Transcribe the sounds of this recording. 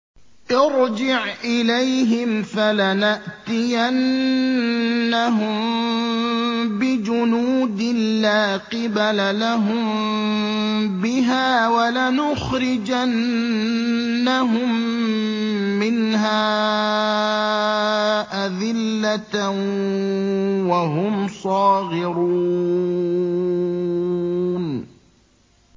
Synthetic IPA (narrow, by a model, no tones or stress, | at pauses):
ʔɪɾd͡ʒɪʕʔɪlajɦɪmfalanaʔt̪ɪjan | aɦʊm | bɪd͡ʒʊnuːd̪ɪːaːqɪbalalaɦʊm | bɪɦaːwalanʊxɾɪd͡ʒan | aɦʊm | ɪnɦaː | ʔaðɪlːat̪ | waɦʊmsˤɑːɣɪɾu | n